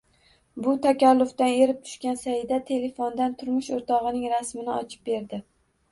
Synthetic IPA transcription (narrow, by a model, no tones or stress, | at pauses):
bʊt̪ʰakʲalːʊft̪ane̞ɾɪp̚t̪ʰʊ̥ʃkʲansajɪd̪at̪ʰe̞le̞fond̪ant̪ʰʊɾmʊʃoɾt̪ʰɒʁɨnɪŋɾasmɪnɪɒt͡ʃʰɪ̥p̚be̞ɾd̪ɪ